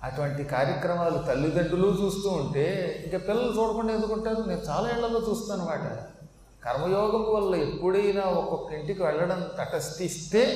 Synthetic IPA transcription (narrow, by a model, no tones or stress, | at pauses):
ɐʈuʋɐɳʈikaːɾjɐkɾɐmaːlut̪ɐlːid̪ɐɳɖuloːt͡ʃuːst̪uːɳʈe̞ːiŋkɐːpilːɐlut͡ʃoːɽɐkuɳɖend̪ukuɳʈaːɾune̞ːnut͡ʃaːlaːiɭːɐlːoːt͡ʃuːst̪aːnumaːʈɐ̰ | kɐɾmɐjɔːɡɐmʋɐlːɐepːuɽɐjnaːɔkːɔkːɐiɳʈikiʋɛɭːɐɽɐnt̪ɐʈɐst̪ist̪e̞ː